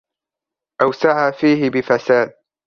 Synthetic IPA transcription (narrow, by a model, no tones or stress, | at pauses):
ʔawsaʕaːfiːhɪbɪfasaːd̪̚